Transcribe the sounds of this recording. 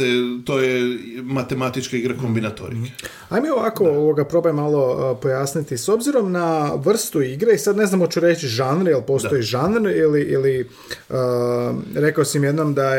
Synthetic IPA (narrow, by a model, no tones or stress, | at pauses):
et̪oːjemat̪emat̪it͡ʃkaiɡɾakombinat̪o̰ɾḭke̥ | ajmio̞ʋako̞oʋoɡapɾo̞bjmːalˠo̞po̞jaːsnit̪iso̞bziɾo̞mnaʋr̩st̪uiɡɾeisad̪ne̞znamot͡ɕuɾet͡ɕt͡ʃiʒanɾjelˠpo̞ːso̞jiʒanɾiliʔili | ə | ɾe̞kaosimje̞d̪nomd̪a